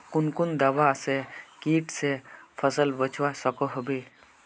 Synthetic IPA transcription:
kunkund̪awasekiʈsepʰəsəlbət͡ʃʰwasɔkɔɦɔbe

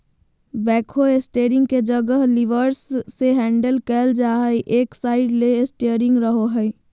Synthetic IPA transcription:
bɛːkʰoesʈeɾɪ̃ŋɡked͡ʒəɡəɦliʋəɾsːeɦɛ̃ːɳɖəlkɛld͡ʒaɦəjʔeːksaːɪɖleesʈeəɾɪ̃ŋɡɾəɦoɦəɪ

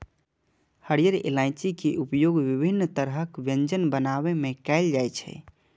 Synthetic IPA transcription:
həɽijəɾḛlãɪt͡ʃikeʔupjoɡʋibʱinːt̪əɾɦəkʋjə̃ɲd͡ʒənbənaβemẽkɛld͡ʒajt͡ʃʰɛ̰

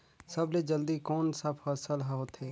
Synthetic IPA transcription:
səbled͡ʒəld̪ikoːnsɐbʰəsəlɦaɦot̪ʰeː

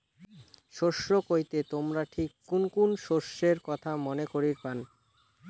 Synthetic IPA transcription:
ʃoʃɾokojt̪et̪omɾaʈʰikːunkunʃoɾʃːeɾkɔt̪ʰamonekoɾiɾpan

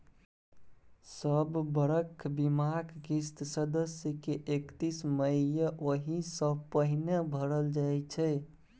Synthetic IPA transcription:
səbːəɾəkʰbimakɡist̪səd̪əsjəkeʔekt̪isməijəʔoɦisəpəɦinebʱəɾəld͡ʒajt͡ʃʰɛ

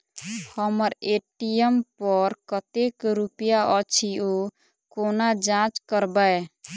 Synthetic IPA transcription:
həməɾeʈijempəɾkət̪ekɾupjaʔət͡ʃʰio | konad͡ʒãt͡ʃkəɾbae

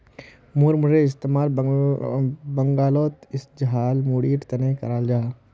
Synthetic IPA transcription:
muɾmʊɾeɪst̪eːmaːl | bɐŋɡaːloːt̪ɪsd͡ʒɐɦaːlmuːɽiːʈt̪ɐnẽkɐɾaːld͡ʒaː

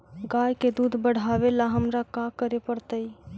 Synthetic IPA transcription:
ɡajked̪ud̪ʱbəɽ̤abelaɦəmɾakakəɾepəɾt̪əj

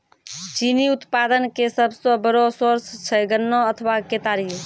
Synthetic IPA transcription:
t͡ʃiniut̪pad̪ənkesəbsəbəɾosoɾst͡ʃʰɛɡənːoət̪ʰʋaket̪aɾi

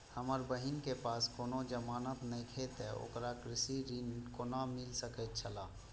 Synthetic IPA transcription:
həməɾbəɦɪnkepaːskoːnõd͡ʒəmaːnət̪nəĩkʰet̪eo̰ːkɾakɾɪsiɾiːnkonamɪlsəkət̪t͡ʃʰəlaː

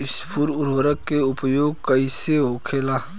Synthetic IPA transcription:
ɪspʰʊɾʊɾʋəɾəkːeʊpjoːɡ̚kɐiseɦoːkʰeːlaː

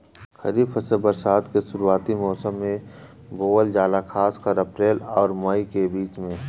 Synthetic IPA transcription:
xəɾiːbfʰəsəbəɾsaːt̪kesʊɾuaːt̪imɔːsəmːẽ | boːəld͡ʒaːlakʰaːskəɾəpɾeːlɔːɾmaːikebiːt͡ʃmẽː

